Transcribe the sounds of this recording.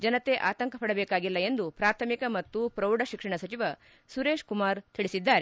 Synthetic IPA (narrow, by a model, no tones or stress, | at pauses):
d͡ʒɐnɐt̪e̞ʔa̰ːt̪ɐŋkʰɐpɐɽɐbeːkaːɡilːɐe̞nd̪upɾaːt̪ʰɐmikɐmɐt̪ːupɾɐwɖɐʃikʂɐɳɐsɐt͡ʃiʋɐ | suɾeːʂkumaːɾt̪ʰiɭisid̪ːaːɾe